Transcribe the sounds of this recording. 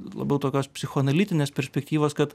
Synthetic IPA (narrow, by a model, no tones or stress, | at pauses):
lˠɐ̰bʲɛʊt̪oːkʲoːspʲsʲɪxoːnɐlʲiːt̪ʲɪnʲeːspʲɛɾʲsʲpʲɛkt̪ʲiːʋoːskɐt̪